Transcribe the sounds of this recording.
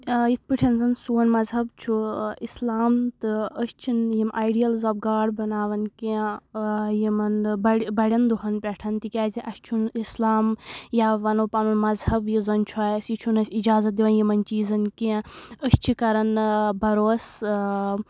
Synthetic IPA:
jit̪̚ʰpiʈʰʲɐnzɐnsuːɐnmɐzɦɐbt͡ʃʰuislaːmt̪ɨəst͡ʃʰinjimʔaːjɖijɐlzɐːbɡaːɖbɐnaːʋɐnki | jimɐnbɐɽbɐɽʲɐnd̪uɦɐnpʲɛʈʰɐnt̪ikʲaːziʔɐst͡ʃʰunislaːmjaʋɐnoːpaːmɐmɐzhɐbjizɐnt͡ʃʰuaːjɐsjit͡ʃʰunɐsʲid͡ʒaːzɐt̪̚d̪iʋɐnjimɐnt͡ʃiːzɐnkĩəst͡ʃʰikɐɾɐnbɐɾoːs

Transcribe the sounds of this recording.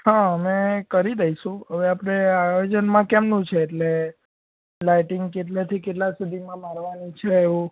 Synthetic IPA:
ɦãəmekəɾid̪əiʃũɦəʋeapɽ̃eajod͡ʒənmãkɛmnũt͡ʃʰeːʈle | laiʈɪŋɡkeʈlet̪ʰikeʈlãsud̪ʱimãmaɾʋanit͡ʃʰeːʋũ

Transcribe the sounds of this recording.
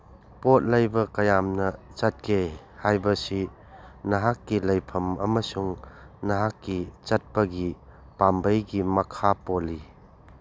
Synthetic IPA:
pot̚lɐjbɐkɐjamnɐt͡ʃɐt̚kʰe | hajbɐsi | nɐɦakːilɐjpʰɐmɐ̰mɐsuŋnɐɦakːit͡ʃɐt̚pɐɡi | pambɐjɡimɐkʰapoli

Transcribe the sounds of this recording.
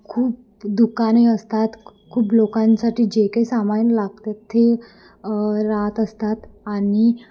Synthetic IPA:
kʰuːp̚ | d̪ukaneəst̪at̪kʰuːplokãnsaʈʰiːd͡ʑekaisamainlaɡ̚t̪et̪ʰːe | ɾat̪əst̪at̪aɽi

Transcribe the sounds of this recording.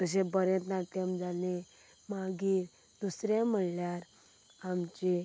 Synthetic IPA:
t̪əs̬ẽbəɾẽt̪nat̪jəmd͡zalẽ | maɡiːɾ | d̪usɾẽm̤əɽljaɾ | amt͡ɕe

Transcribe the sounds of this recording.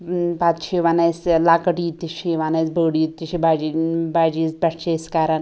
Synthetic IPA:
pat̪t͡ʃʰiʋanaslaːkɐʈiːt̪ːiʃiʋaːnɐjsbəːɽiːt̪ːiʃibad͡ʒibaːd͡ʒiːt͡sbʲɐʈʰt͡ʃeskaːɾɐn

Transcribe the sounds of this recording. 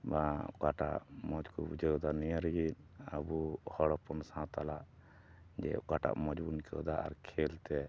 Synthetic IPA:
bakaʈa̰ʔmɔd͡ʒkubud͡ʒəd̪anijaɾɡin̚ | abuhɔɽɔpɔnsãt̪alaʔ | d͡ʒɛ̰ɔ̰ʔkaʈa̰ʔmɔd͡ʒbunkəɔd̪aʔa̰ɾkʰɛlt̪ɛ

